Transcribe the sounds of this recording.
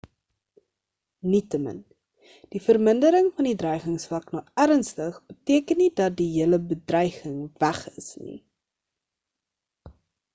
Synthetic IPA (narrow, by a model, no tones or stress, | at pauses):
nitəmə̰n | d̥ifərməndəɾəŋfɐndidrœjχəŋsfɐknɐæɾənstəχbətiəkənːidɐt̚diɦiəələbədrœjχəŋvæχə̰snḭ